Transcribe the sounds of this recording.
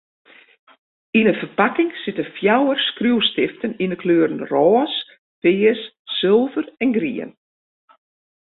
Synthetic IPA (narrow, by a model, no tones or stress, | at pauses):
inəfərpakɪŋsɪtəfjawərskruwstɪftəninəkʰløːɾənrɔːs | fɪːəsː | ɪlˠvərɛnɡrḭə̰n